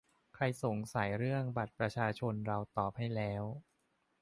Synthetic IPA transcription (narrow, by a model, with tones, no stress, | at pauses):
kʰɾa˧jso˩˦ŋsa˨˩˦jɾɯ˥˩əŋba˨˩t̪̚pɾa˧t͡ɕʰaː˧t͡ɕʰo˧nɾa˧wt̪ɔː˨˩p̚ha˥˩jlɛː˦˥w